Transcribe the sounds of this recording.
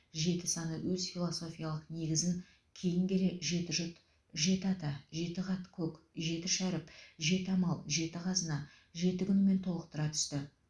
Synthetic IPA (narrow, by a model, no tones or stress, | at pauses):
ʒe̞t̪ɪsɑnəwɵzfilˠo̞so̞fʲijalˠəqne̞ɡʲɪzɪŋ | kʲʰe̞jɪŋɡʲe̞le̞ʒe̞t̪ɪʒʊt̪ | ʒe̞t̪ɪɑt̪ɑʒe̞t̪ɪʁɑt̪kʲʰɵkʲ | ʒe̞t̪ɪʃæɾɪpʒe̞t̪ɪɑmɑlˠʒe̞t̪ɪqʰɑzənɑ | ʒe̞t̪ɪkʲʏnɪme̞nt̪ʰo̞lˠəq̚t̪əɾɑt̪ʰʏ̥st̪ɪ